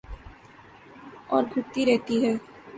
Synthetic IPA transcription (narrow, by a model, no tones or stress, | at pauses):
ɔ̰ːɾɡʱʊt̪ːiɾɛɦt̪iɦɛː